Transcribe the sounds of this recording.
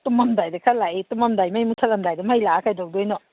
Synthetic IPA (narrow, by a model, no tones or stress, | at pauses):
tumɐmdajdɐkʰalaʔitumɐmdajmajmutʰalɐmdajdɐmajlakʰajdɔwdɔjnɔ